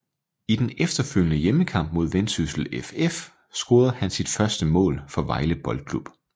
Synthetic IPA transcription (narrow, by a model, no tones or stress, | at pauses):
id̥enefd̥ɐføl̰jənəjeməkʰɑ̈m̰b̥̚mo̝ð̞ˠʋensysl̩efef | sɡ̥o̝ːð̞̩ˠhænsid̥fɶɐsd̥əmɔ̰̽ːlfɒ̽ʋɑ̈ɪləb̥ɒ̽ld̥̚kʰlub̥